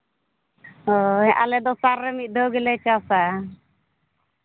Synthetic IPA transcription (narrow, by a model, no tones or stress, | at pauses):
ɔɦɛ̃ʔa̰lɛd̪ɔsaɾːɛmit̪̚ˀd̪ɔɡɛlɛt͡ʃasa